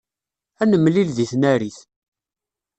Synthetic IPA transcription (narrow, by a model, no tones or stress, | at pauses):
ænəmːlilðiθnæɾiθ